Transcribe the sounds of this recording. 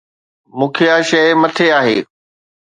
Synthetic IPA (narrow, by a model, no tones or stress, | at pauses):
mũːkʰeaːʃɐɪmɐt̪ʰeaːɦḛː